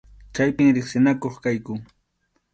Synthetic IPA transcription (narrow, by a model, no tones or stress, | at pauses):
t͡ʃajpɪŋɾɪχsɪnakoχkajkʊ